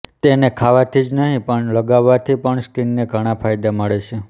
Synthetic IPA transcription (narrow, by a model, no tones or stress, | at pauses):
t̪enekʰaʋat̪ʰid͡ʒnəɦĩpəɳləɡaʋːat̪ʰipəɳskinːeɡʱəɽ̃apʰajd̪aməɭet͡ʃʰe